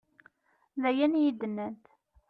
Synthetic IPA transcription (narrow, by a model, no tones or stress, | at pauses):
ðæjænjid̪ənːənt̪